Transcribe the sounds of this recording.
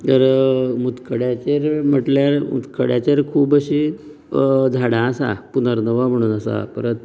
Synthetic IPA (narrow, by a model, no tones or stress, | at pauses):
təɾmut̪kəɽjat͡ɕeɾm̤əʈljaɾmṵt̪kʰəɽjat͡ɕeɾkʰuːbəɕi | d͡zʱaɽãːsa̰punəɾnəʋam̤əɽ̃uːnəsa̰kəɾət̪̚